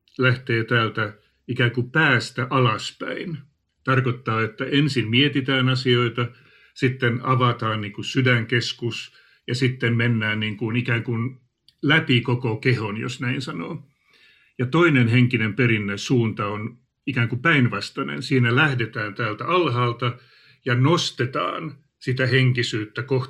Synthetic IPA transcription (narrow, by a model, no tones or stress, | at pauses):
læht̪eːt̪æːlt̪æ | ikæːkupæːst̪æʔɑlɑspæ̰in | t̪ɑrkot̪ːɑːet̪ːæensimmiet̪it̪æːnɑsioit̪ɑ | sit̪ːenɑʋɑt̪ɑːnniːŋkusydæŋkeskus | jɑsit̪ːemmenːæːnniːŋkunikæːŋkun | læpikokokehonjo̰snæinsɑnoː | jɑt̪oinenheŋkinemperinːæissuːnt̪ɑon | ikæːŋkupæinʋɑst̪ɑnḛnsiːnælæhdet̪æːnt̪æːlt̪æɑlɦɑːlt̪ɑ | jɑnost̪et̪ɑ̰ːn | sit̪æheŋkisyːt̪ːækoh